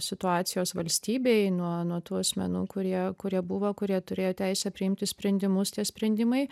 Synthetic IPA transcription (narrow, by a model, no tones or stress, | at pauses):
sʲɪt̪ʊɑːt̪sʲɪjoːsʋɐlʲsʲt̪ʲiːbʲeɪnuɔnuɔt̪uːɐsʲmʲɛ̰nṵːkʊɾʲiɛkʊɾʲiɛbuʋoːkʊɾʲiɛt̪ʊɾʲeːjoːt̪ʲæɪsʲɛpʲɾʲɪɪmʲt̪ʲɪsʲpʲɾʲɛnʲd̪ʲɪmʊst̪ʲiɛsʲpʲɾʲɛnʲd̪ʲɪmɐɪ